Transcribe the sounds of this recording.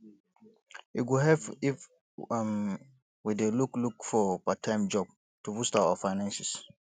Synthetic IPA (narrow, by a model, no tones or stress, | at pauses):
iɡuɦɛvif | m | wideluklukfɔpatʰãɪ̃md͡ʒɔb̚ | tubustaɔfaɪnãnsis